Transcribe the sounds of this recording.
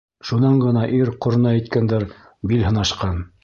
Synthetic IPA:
ʃunɑɴɢɤ̆nɑʔiɾqŏɾnɑæ̆jt̪̚kænd̪æɾ | bilɦɤ̆nɑʃqɑn

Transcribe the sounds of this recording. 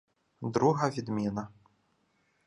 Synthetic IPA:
d̪ɾuɦɐvʲid̪mʲinɐ

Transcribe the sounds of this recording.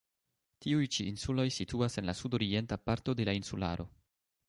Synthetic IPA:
tiujt͡ʃiːnsulo̞jsituase̞nlasudo̞ɾie̞ntapaɾto̞de̞lainsula̰ɾʔo̞̰

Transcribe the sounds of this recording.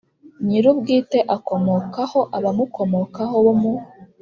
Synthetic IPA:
ɲiɾubɡiːte̞ʔako̞mo̞kaho̞ʔaβamuko̞mo̞kaho̞βomu

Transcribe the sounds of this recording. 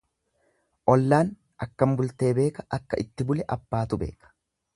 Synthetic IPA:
ʔɔlːaːn | ʔɐkːɐmbʊlt̪e̞ːbe̞ːkɐʔɐkːɐʔɪt̪ːɪbʊlɛʔɐb̥ːaːt̪ʊbe̞̰ːkɐ̥

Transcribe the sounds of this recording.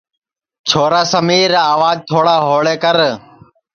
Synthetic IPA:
t͡ʃʰoːɾaːsəmiːɾaːʋaːd͡ʒ̚t̪ʰoːɽaːɦoːɭeːkəɾ

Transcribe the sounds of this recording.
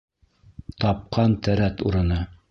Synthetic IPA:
t̪ɑp̚qʰɑnt̪æɾæt̪uɾɤ̆nɤ

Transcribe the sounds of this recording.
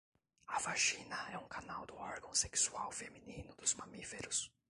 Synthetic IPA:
ɐvaʃĩnɐɛũkanawd̪ʊɔɾɡɐ̃w̃seksu̥awfeminĩnʊd̪ʊzmɐmifeɾʊs

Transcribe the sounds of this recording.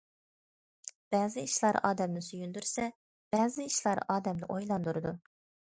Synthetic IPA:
b̥ɛːzɪiʃlˠɑɾɑ̰ːd̪ɛmnɪsyjynd̪yɾsɛ | b̥ɛːzɪiʃlˠɑɾɑːd̪ɛmnɪ̰ʔojlˠɑnd̪uɾɨd̪u

